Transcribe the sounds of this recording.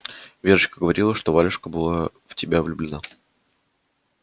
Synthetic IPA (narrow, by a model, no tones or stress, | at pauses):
vʲeʐɨɕkəɡəvɐɾʲilˠəʂt̪o̞valʲɪʂkəbɨlˠa | ftʲɪbʲavlʲʊblʲɪna